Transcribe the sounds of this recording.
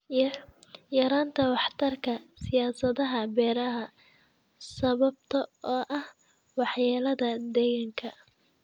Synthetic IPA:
jɐɾaːnt̪ʰɐwɑħt̪ʰɐrkʰɐsɪjaːsɐðɐɦɐbɛːɾɐɦɐ | sɐβɐb̚t̪ʰɐɔːʔɐh | wɑħjaːlɐðɐd̪ɛɣɐŋkʰɐ

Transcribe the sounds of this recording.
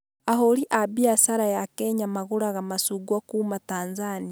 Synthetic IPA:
aɦoɾiʔabiasaɾajakeɲamaɣuɾaɣamasuɡwakumataːnzania

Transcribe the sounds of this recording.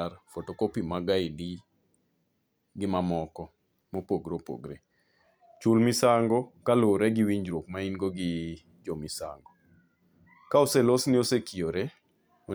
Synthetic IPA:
rfotokopimaɡaɪdi | ɡɪmamɔkɔ | mopoɡɾopo̰ɡɾe | t͡ʃulmɪsaŋɡɔkaloɾɛɡiwiɲd͡ʒɾok̚mainɡoɡɪ | d͡ʒomisa̰ŋɡɔ | kaoselosniosekioɾe | o

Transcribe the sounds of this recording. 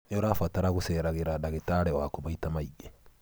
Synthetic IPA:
oɾafataɾaɣuseɾaɣeɾadaɣetaɾɛwakomaitamaiɡe

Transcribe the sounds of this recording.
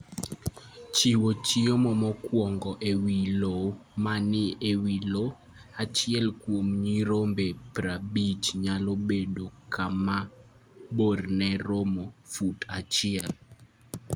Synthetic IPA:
t͡ʃiwot͡ʃiomɔmɔkwɔŋɡɔʔewilomanɪewilo | at͡ʃɪɛlkwomɲiɾombepɾabit͡ʃɲalobedokʰama | bornɛɾomofutat͡ʃɪɛl

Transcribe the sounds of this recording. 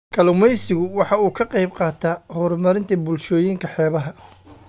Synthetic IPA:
kʰɐlʊmɛjsɪɣʊwɑħɑuːkʰɐqɑjbqɑːt̪ʰaːhɔːrmɐɾɪnt̪ʰɐbʊlʃɔːjiŋkʰɐħɛːβɐɦɐ

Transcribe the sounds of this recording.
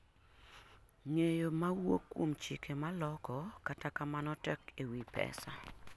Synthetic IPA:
ŋejomawokːwomt͡ʃikʰemalɔkɔkatakamanɔtɛkewipɛ̰sa

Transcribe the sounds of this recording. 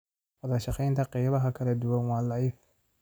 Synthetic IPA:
wɐðɐʃɑqɛjnt̪ʰɐqijβɐɦɐkʰɐlɐd̪ʊwɐnwɑːlɑɪf

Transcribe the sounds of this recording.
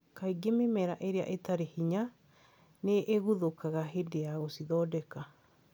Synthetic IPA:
kaiɡememɛɾaʔeɾea̰ʔetaɾehiɲa | neʔːɣuðokaɣaɦedejaɣosiðɔːdɛka

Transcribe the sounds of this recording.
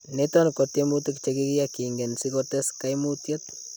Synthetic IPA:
netɔnkotemutikt͡ʃekikijakiŋɡensikoteskajmutjet̚

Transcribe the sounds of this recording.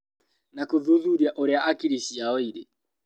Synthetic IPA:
nakuðuðuɾiaʔoɾɛaʔakiɾisiaɔiɾɛ

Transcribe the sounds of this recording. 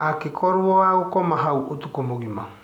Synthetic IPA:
akekʰɔɾwɔaokɔmaɦawot̪ukɔmoɡima̰

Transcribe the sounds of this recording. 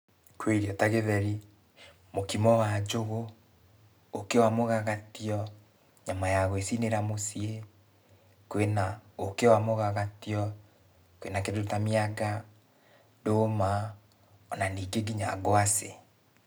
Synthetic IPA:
kweiɾiɔtaɣeðɛɾi | mokimɔwad͡ʒoɣo | okewamoɣaɣatiɔ | ɲamajaɣwesineɾamosie | kwenaokewamoɣaɣatiɔ | kwḛnakedoɾotamiaɡa | doma | ɔnaniːɡeɡiɲa̰ɡoase

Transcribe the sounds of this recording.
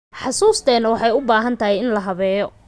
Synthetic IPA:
ħɑsuːst̪ʰɛːnɐwɑħɑjʊbaːɦɐnt̪ʰɐɦɛjɪnlɐɦɐβɛːjɔ

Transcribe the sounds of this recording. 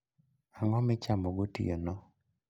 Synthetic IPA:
aŋɔmɪt͡ʃamɔɡotḭjonɔ

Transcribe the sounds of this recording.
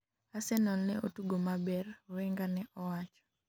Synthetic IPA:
asɛnɔlnɛotuɡomabɛrweŋɡanɛʔɔwat͡ʃɔ̥

